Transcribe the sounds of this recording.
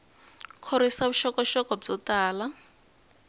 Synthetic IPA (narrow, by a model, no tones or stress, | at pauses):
kʰoɾisaβuʃɔkɔʃɔkɔb͡ʐɔtaːla